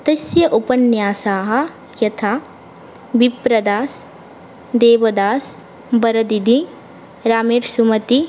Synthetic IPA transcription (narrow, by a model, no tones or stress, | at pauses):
t̪ɐsjɐʔupɐnjaːsaːɦɐ̆ | jɐt̪ʰaː | bipɾɐd̪aːs | d̪eːʋɐd̪aːs | bɐɾɐd̪id̪ʱi | ɾaːmeːɾsumɐt̪i